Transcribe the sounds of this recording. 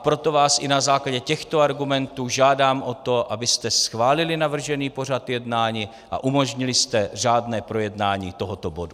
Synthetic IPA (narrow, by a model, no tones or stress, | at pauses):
pɾo̞t̪o̞vaːsʔɪnazaːklaɟɛcɛxt̪o̞aɾɡumɛnt̪uːʒaːdaːmʔo̞t̪o̞ʔabɪst̪ɛsxvaːlɪlɪnavr̩ʒɛniːpo̞r̝at̪jɛdnaːɲiː | ʔa̰ʔumo̞ʒɲɪlɪst̪ɛr̝aːdnɛːpɾo̞jɛdnaːɲiːt̪o̞ɦot̪obo̞du